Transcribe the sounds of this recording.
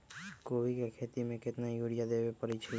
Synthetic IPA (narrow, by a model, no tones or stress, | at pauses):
koːbikekʰeːt̪imẽkɪt̪najuɽijad̪eːbepəɾit͡ʃʰə